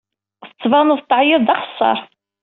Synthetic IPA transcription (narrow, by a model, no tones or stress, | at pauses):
θət͡sːvɑnuðt̪ːʕjəðd̪ɑχə̥sˤːɑ̰ɾˤ